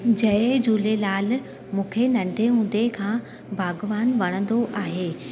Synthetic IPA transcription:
d͡ʑɐd͡ʑuːlelaːl | mũːkʰenɐ̃ɳɖʱeɦũːn̆d̪ekʰãː | bʱaːɡʋaːnʋɐɽ̃ə̃nd̪oʔaːɦeː

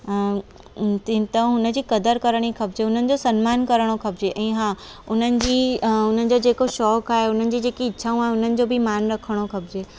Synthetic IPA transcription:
t̪it̪ɐ̃ɦʊnə̆d͡ʑiːkɐd̪əɾkɐɾəɽ̃ixɐbd͡ʑeʊn̤ənɪ̆d͡ʑosɐnmaːnkɐɾəɽ̃okʰɐbd͡ʑeʔɛ̃ːɦãː | ʊn̤ənɪ̆d͡ʑiːʊn̤ənɪ̆d͡ʑod͡ʑeːkoʃɔːkaːɦeʊn̤ənɪ̆d͡ʑiːd͡ʑeːkiɪtːʰaːũaːɦeʊn̤ənɪ̆d͡ʑobʱɪmaːnɾɐkʰəɽ̃oxɐbɪd͡ʑeː

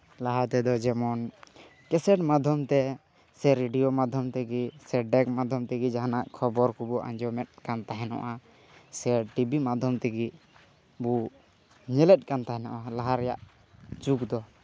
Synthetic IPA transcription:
laɦat̪ɛd̪ɔd͡ʒɛmɔn | kɛsɛʈmad̪ʱjɔmt̪ɛ | sɛɾɛɖijɔmad̪ʱjɔmt̪ɛɡisɛɖɛk̚mad̪ʱjɔmt̪ɛɡid͡ʒaɦanaʔkʰɔbɔɾkubɔʔã̰ɲd͡ʒɔmɛt̪̚ˀkant̪aɦɛnɔ̰ʔa | sɛʈibimad̪ʱjɔmt̪ɛɡi | bu | ɲɛlɛt̪̚ˀkant̪aɦɛnɔ̰ʔalaɦaɾɛja̰ʔ | t͡ʃukd̪ɔ

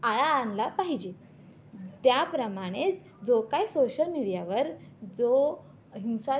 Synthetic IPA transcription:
aɭanlapaɦid͡ʑe | t̪japɾəmaɽ̃et͡s | d͡zokaisoɕəlmiɽijaʋəɾd͡zo | ɦiwsa

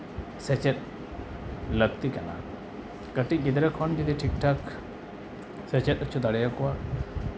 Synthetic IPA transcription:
sɛt͡ʃɛt̪̚ | ləɡ̚t̪ikana̰ | kəʈic̚ˀɡid̪ɾəkʰɔnkid̪iʈʰik̚ʈʰak | sɛt͡ʃɛt̪̚ət͡ʃʰud̪aɽɛjakɔwa

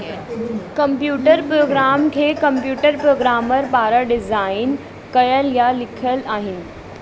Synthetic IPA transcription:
kɐmpjuːʈəɾpɾoːɡɾaːmkʰeːkɐ̃mpjuːʈəɾpɾoːɡɾaːməɾpaːɾəɖɪzaːɪn | kɐjəljalɪkʰəlaːɦɪnɪ̆

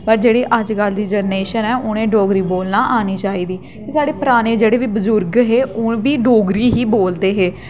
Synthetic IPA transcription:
pəɾd͡ʒeːɽiːʔəd͡ʒɡəld̪iːd͡ʒəɾneːʃənɛːʔʊnẽːɖoːɡɾiːboːlnaːʔaːniːt͡ʃaːiːd̪iː | kiːsaːɽeːpəɾaːneːd͡ʒeːɽeːʋiːbəzʊɾɡɦeːʔʊbiːɖoːɡɾiːɦiːboːld̪eːɦeː

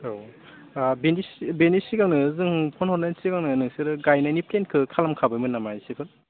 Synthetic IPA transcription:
o | benisbenisiɡaŋnɯzɯŋpʰɔnhɔɾnajnsiɡaŋnɯnɯŋsɯɾɯɡajnajniplenkʰɯkʰalamkʰabɯjmɯnːamajsipʰɯn

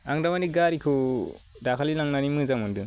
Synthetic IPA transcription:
aŋdamaniɡaɾikʰɯ | dakʰalilaŋnanimɯzamɯndɯ

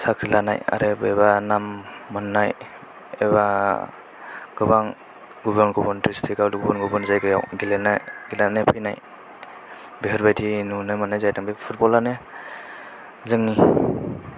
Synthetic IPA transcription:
sakʰɾilana̰ja̰ɾebebanamːɯnːaj | ḛba | ɡɯbaŋ | ɡubəɾnɡɔbɔntɾistʰikaɡubɔnɡɔbɔnzajɡɯja̰wɡilenaɡilanepʰɯjna̰j | beɦɯɾbajdinunɯmɯnːajzajdaŋbepʰut̚bɔlane | zɯŋni

